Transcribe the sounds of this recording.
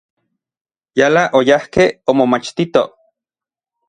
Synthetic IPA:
jalaʔojahkeomomat͡ʃt̪it̪o

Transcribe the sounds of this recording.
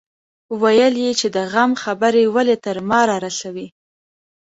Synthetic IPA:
wajəljet͡ʃed̪əɣamxabəɾewalet̪əɾmɑɾɑɾasawi

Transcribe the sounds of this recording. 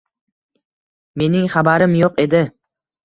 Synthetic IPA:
me̞nɪŋχabaɾɪmjoqe̞d̪ɪ

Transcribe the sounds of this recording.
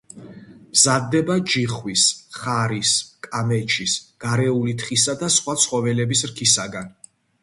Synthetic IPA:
mzad̪ːɛbad͡ʒiχwisχaɾiskʼamɛt͡ʃʰisɡ̥aɾɛulit̪ʰχisad̪asχwat̪sʰχɔvɛlɛbisɾkʰisaɡan

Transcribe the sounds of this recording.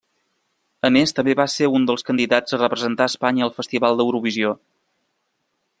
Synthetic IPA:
əmest̪əmbeβaseɾund̪əlˠskənd̪iðad͡zərəpɾəzənt̪aəspaɲəːlˠfəst̪iβalˠd̪əwɾuβizio

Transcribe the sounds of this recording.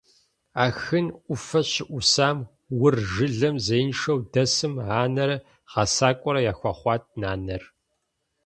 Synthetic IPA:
aːxɨnʔʷʊfɐɕɪʔʷʊsaːm | wʊrʒɨɮɐmzejnʂɐwdɐsɨmʕaːnɐɾɐ | ʁɑsaːkʷʼɔɾɐjaːxʷɑχʷɑːt̚ʰʼnaːnɐr

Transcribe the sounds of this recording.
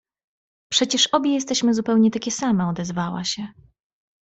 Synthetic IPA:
pʂɛt͡ɕɛʂɔbʲjɛjɛst̪ɛɕmɘzupɛwɲɛt̪akʲɛsamɛɔd̪ɛzvawa̰ɕɛ

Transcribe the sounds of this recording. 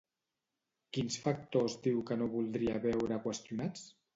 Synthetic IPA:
kinsfak̚t̪ozðiwkənoβulˠd̪ɾiəβɛwɾəkwəst̪junat͡s

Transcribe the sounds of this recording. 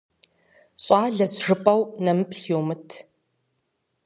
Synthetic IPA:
ɕʼaːɮɐsʐɨpʼɐwnɐmɨpɬowmɨtʰ

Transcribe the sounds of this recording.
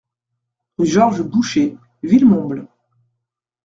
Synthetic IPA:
ʒɔʁʒbuʃe | vilmɔ̃bl

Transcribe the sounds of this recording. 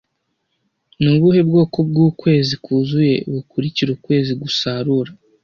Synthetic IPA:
nuβuhe̞bɡo̞ːko̞b̚ɡuːkwe̞ːzikʰuːzuje̞̰βukuɾiciɾukwe̞ːziɡusaɾuɾa

